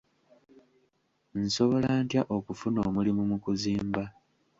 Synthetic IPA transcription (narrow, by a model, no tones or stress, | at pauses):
n̩so̞βo̞laːntjaʔokufuno̞ːmulimumukuziːmba